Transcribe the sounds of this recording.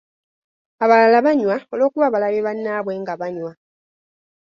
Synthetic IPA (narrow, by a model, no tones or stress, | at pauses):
aβalalaβaɲwao̞lo̞ːkuβaβalaβeβanːaβweŋɡaβaɲwa